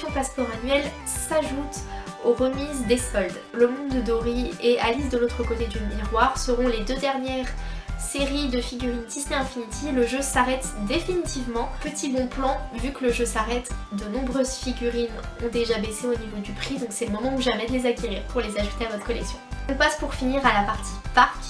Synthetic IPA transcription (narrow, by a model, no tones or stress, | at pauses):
jɔ̃paspɔʁanɥɛl | saʒut̪ | oʁəmizd̪esɔld̪ | ləmɔ̃d̪əd̪ɔʁieʔalis̬d̪əlot̪χəkot̪ed̪ymiʁwaʁsəʁɔ̃led̪ød̪ɛʁnjɛʁseʁid̪əfiɡʲyʁint̪isneɛ̃finit̪ʰiləʒøsaʁɛt̪d̪efinit̪ivmɑ̃pət̪ibɔ̃plɑ̃vykləʒøsaʁɛt̪d̪ənɔ̃bʁøzfiɡʲyʁinɔ̃d̪eʒabeseonivod̪ypχid̪ɔ̃ksɛləmɔmɑ̃uʒamɛd̪əlezakʲeʁḭʁpuʁlezaʒut̪eavɔt̪χəkɔlɛksjɔ̃ɔ̃paspuʁfiniʁalapaʁt̪ʰi̥paʁkʲ